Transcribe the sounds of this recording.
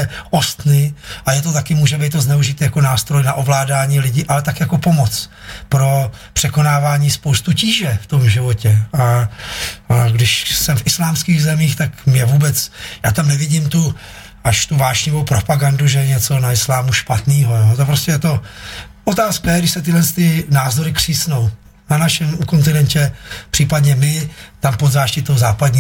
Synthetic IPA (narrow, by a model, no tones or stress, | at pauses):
ɛʔost̪nɪʔajɛt̪o̞t̪̬akɪmuːʒɛbɛjt̪ːoznɛuʒɪt̪ijako̞naːst̪ɾojnaʔo̞vlaːdaːɲiːlɪɟɪʔalɛt̪akɪjako̞po̞mo̞t͡s | pɾo̞pr̥ɛko̞naːvaːɲiːspowst̪uciːʒɛft̪o̞mʒɪvo̞cɛa | ɡdɪʃsɛmfʔɪslaːmskiːɣzɛmiːxt̪akmɲɛvuːbɛt͡sjaːt̪amnɛvɪɟimt̪u | ʔaʃt̪uvaːʃɲɪvowpɾo̞paɡanduʒɛɲɛt͡so̞naɪslaːmuʃpat̪niːɦojoːt̪op̬ɾoscɛjɛt̪o̞ | ʔot̪aːskajɛɡdɪʃsɛt̪ɪɦlɛnst̪ɪnaːzo̞ɾɪkr̝̥iːsno̞w | nanaʃɛmuko̞nt̪ɪnɛncɛpr̥iːpadɲɛmɪt̪ampod̪zaːʃcɪt̪owzaːpadɲi